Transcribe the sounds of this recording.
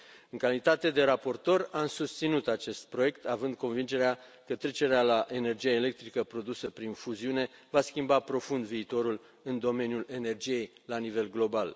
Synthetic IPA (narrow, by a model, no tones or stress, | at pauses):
ɨŋkalit̪at̪e̞d̪e̞ɾapo̞rt̪o̞ramsust̪sinut̪at͡ʃe̞st̪̚pɾo̞je̞kt̪ʰavɨnd̪̚ko̞nvind͡ʒe̞ɾea | kət̪ɾe̞t͡ʃe̞ɾealaʔe̞ne̞rd͡ʒijaele̞k̚t̪ɾikəpɾo̞d̪usəpɾinfuziune̞vaskʲimbapɾo̞fund̪viːt̪o̞ɾul | ɨnd̪o̞me̞njule̞ne̞rd͡ʒije̞jlanive̞lɡlo̞bal